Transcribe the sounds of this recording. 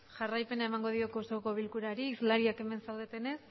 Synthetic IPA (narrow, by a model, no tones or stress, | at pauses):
ʝarajpe̞naemaŋɡo̞ðio̞kosoko̞β̞ilkuɾaɾiːzlaɾiake̞me̞nsawðe̞t̪e̞nes